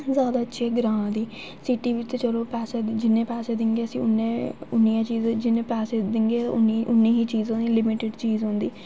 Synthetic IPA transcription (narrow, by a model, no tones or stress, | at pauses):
zjaːd̪aːətːʃʰiɛːɡɾãːãːd̪iː | siʈiːʋɪt͡ʃt̪et͡ʃəloːpɛːsed͡ʒɪnːẽːpɛːseːd̪ɪŋɡeːəsĩːʊnːeːʊnːijãːt͡ʃiːzãd͡ʒɪnẽːpɛːsed̪ɪŋɡẽːʊniʔʊnːẽːɦiːt͡ʃiːzãːd̪iːlɪmiːʈɪɖt͡ʃiːzɦõnd̪iː